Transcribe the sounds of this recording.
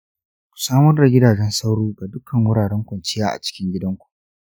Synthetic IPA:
kʷu̥˨saː˦mɐ˦rda˨ɡʲɪ˦daː˨d͡ʒɛ˦nsa˦wɽuː˦ɡa˨dʊ˦kʰːɐ˨ŋwʊ˦ɽaː˨ɽɛ˦ŋkʷɐ˨nt͡ʃɪ˦jaː˦ʔa̰˨t͡ʃɪ̥˦kʲɪ˦ŋɡʲɪ˦dɐ˦ŋkʷu̥˨ʔ

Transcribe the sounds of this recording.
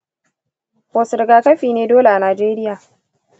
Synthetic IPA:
poː˨sɪ˨ɾɡaː˨˦kɐ˦ɸiː˨neː˦doː˦le˨ʔa˨naː˨d͡ʒeː˦ɾɪ˦jaː˨

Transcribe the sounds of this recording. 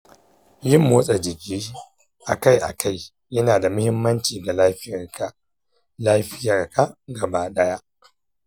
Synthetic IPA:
jɪ˦mːoː˦sʼɛ˨d͡ʒɪ˨kʲiː˦ | ʔa̰˨ka˦jʔa̰˨kʰa˦˨j | jɐ˦naː˨da˨mʊ˦hɪ˦mːɐ˦nt͡ʃiː˨ɡa˨laː˦ɸɪ˦jɐ˨rka˨ | laː˦ɸɪ˦jaː˨rka˦ʔɡɐ˨ba˦ɗɐ˦ja˦ʔ

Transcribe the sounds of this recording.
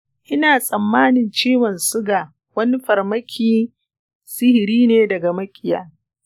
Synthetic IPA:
ʔɪ˦naː˨sʼɐ˨mːaː˦nɪ˨nt͡ʃeː˦wɐ˨nsʊ˦ɡaː˨ | wɐ˦ni˦ɸɐ˨rmɐ˦kʲʰiː˦ | sɪ˦hɪ˨ɾiː˦neː˦dɐ˨ɡa˨mɐ˦kʲʼɪ˨ja̰ː˦

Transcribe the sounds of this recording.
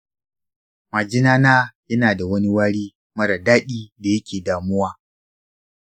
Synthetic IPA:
ma˨d͡ʒɪ˦naː˦naː˦jɐ˦naː˨da˨wɐ˦ni˦waː˦ɽiː˦ | mɐ˦ɽa˨daː˦ɗiː˦da˨jɐ˦kʲeː˨daː˨mʊ˦waː˦

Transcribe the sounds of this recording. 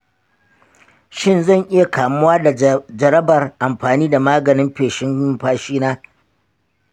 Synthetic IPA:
ʃɪ˦˨nzɐ˦˨ɲʔɪ˦ja˨kʰaː˨mʊ˦waː˦da˨d͡ʒɐ˨ɾɐ˦bɐ˨rʔa˨mɸaː˨niː˦da˨maː˦ɡɐ˨nɪ˦mɸeː˨ʃɪ˦m˦ɸaː˦ʃiː˦naː˦

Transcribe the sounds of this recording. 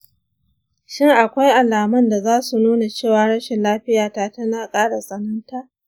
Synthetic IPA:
ʃɪ˦ŋʔa˨kʷa˦jʔa˨laː˨mɐ˦nda˨zaː˦su˨nuː˦na˨t͡ʃeː˦˨waː˨ɽɐ˦ʃɛ˨nlaː˦ɸɪ˦jaː˨taː˦tɐ˦naː˨kʼaː˦ɽa˨sʼɐ˦nɐ˦ntaː˦ʔ

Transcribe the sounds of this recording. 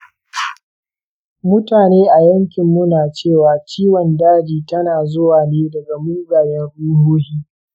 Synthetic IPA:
mʊ˦taː˨neː˦ʔa˨jɐ˦ŋkʲɪ˨mːʊ˦naː˨t͡ʃeː˦˨waː˨t͡ʃiː˦wɔ˨ndaː˦d͡ʒiː˨tɐ˦naː˨zʊ˦waː˨neː˦dɐ˨ɡa˨muː˦ɡaː˨jɛ˦nɽuː˦ɦuː˦hiː˦

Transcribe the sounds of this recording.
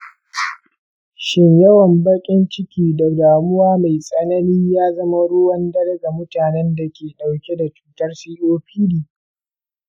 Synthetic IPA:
ʃɪ˦ɲjɐ˦wɐ˨mbɐ˦kʲʼɪ˦nt͡ʃɪ˦kʲiː˦da˨ɡaː˨mʊ˦waː˦ma˨jsʼɐ˦nɐ˦niː˦jaː˦zɐ˦ma˦ɽʊː˦wɐ˦ndɐ˦ɽɐ˦ɡa˨mʊ˦taː˨nɛ˦nda˨kʲeː˨ɗa˨wkʲe˦da˨t͡ʃu̥ː˨tɐ˦rsiː˦ʔoː˦ɸiː˦liː˨

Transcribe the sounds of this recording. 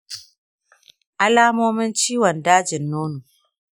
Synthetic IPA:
ʔa˦laː˦moː˦mɪ˦nt͡ʃiː˦wɔ˨ndaː˦d͡ʒɪ˨nːoː˦nu˨

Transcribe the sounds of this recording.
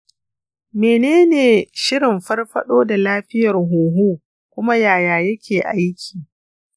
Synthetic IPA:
meː˨neː˦neː˨ʃɪ˦ɾɪ˨mɸɐ˦rɸɐ˦ɗoː˦da˨laː˦ɸɪ˦jɐ˨rɦuː˨ɦuː˦ | kʷʊ˦ma˦jaː˨jaː˨jɐ˦kʲeː˨ʔa˦jkʲʰiː˨

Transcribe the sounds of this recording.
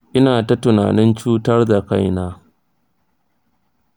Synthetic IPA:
ʔɪ˦naː˨ta˦tʊ˨na̰ː˨nɪ˦nt͡ʃuː˦tɐ˦rda˨ka˦jnaː˦

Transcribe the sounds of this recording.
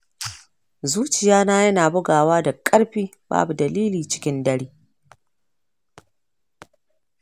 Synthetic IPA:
zuː˦t͡ʃɪ˨jaː˦naː˦jɐ˦naː˨bʊ˦ɡaː˨waː˦da˨kʼɐ˦ɽɸiː˦ | ba̰ː˦bu˨dɐ˨liː˦liː˨t͡ʃɪ̥˦kʲɪ˦ndɐ˦ɽiː˦

